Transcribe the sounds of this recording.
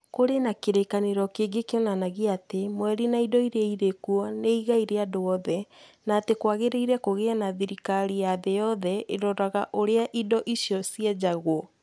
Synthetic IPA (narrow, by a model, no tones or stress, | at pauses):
koɾenakeɾekaneɾɔkeːɡekeɔnanaɣiatemwɛɾinaidɔiɾeaiɾekuɔneiɣaiɾeadoɔðɛnaːtekwaɣeɾeiɾɛkoɣeanaðiɾikaɾijaðejɔðɛʔeɾɔɾaɣaʔoɾeaʔidɔʔiʃjɔsiɛd͡ʑaɣwɔ